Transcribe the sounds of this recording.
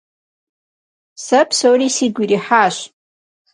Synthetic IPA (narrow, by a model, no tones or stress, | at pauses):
sapʰsowrisiɡʲʷiriħaʃʷ